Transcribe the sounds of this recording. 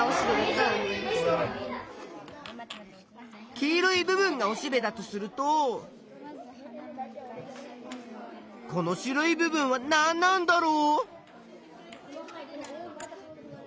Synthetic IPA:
aoɕibeeza | kʲiːɾɯibɯ̟bɯ̟̃ŋɡao̞ɕibe̞d̪at̪o̞sɨɾɯ̟t̪o | ko̞no̞ɕiɾoibɯ̟bɯ̟̃ɰ̃βananːãnd̪aɾoː

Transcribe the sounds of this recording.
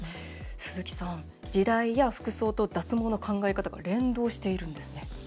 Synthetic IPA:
sɨzɨkʲi̥sãŋ | d͡ʑid̪aijaɸɯ̟̥kɯ̟so̞ːt̪o̞d̪at͡sɨmo̞ːno̞kʰãŋɡaekat̪aɡa̰ɾẽ̞nd̪o̞ːɕi̥t̪e̞iɾɯ̟̃nd̪e̞sɨne̞

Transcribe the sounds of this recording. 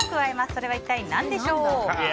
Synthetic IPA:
kɯ̟βaemasɨ̥so̞ɾe̞βait̪ːainãnd̪e̞ɕo̞ː

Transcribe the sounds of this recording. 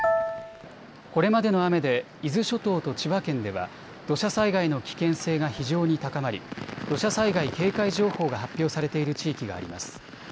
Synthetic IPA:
ko̞ɾe̞mad̪e̞no̞ame̞d̪e̞ | izɨɕo̞t̪o̞ːt̪o̞t͡ɕiβakẽ̞nd̪e̞βa̰ | d̪̥o̞ɕasaiɡaino̞kʲi̥kẽ̞ɰ̃se̞ːɡaçiʑo̞ːɲ̟it̪akamaɾʲḭd̪̥o̞ɕasaiɡaike̞ːkaiʑo̞ːho̞ːɡahapʲːjo̞ːsaɾe̞t̪e̞iɾɯ̟t͡ɕiːkʲiɡa̰ːɾʲḭma̰sɨ̥

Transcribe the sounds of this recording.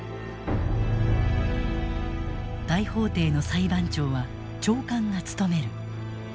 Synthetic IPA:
d̪̥aiho̞ːt̪e̞ːno̞saibãɲt͡ɕo̞ːβa | t͡ɕo̞ːkãŋɡat͡sɨ̥t̪o̞me̞ɾɯ̟

